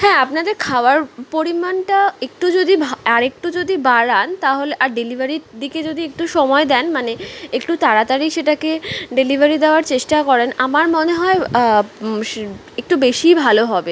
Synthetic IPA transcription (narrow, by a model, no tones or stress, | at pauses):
hɛ̃apnad̪eɾkʰaoaɾpoɾimanʈaek̚ʈud͡ʑod̪ibʱaɾek̚ʈud͡ʑod̪ibaɾant̪aɦoleʔaɾɖelibʱaɾid̪iked͡ʑod̪iek̚ʈuʃɔmɔed̪ɛnmaneekʈut̪aɾat̪aɾiʃeʈakeɖelibʱaɾid̪eoaɾt͡ɕeʃʈakɔɾenamaɾmoneɦɔe | ek̚ʈubeʃibʱaloɦɔbe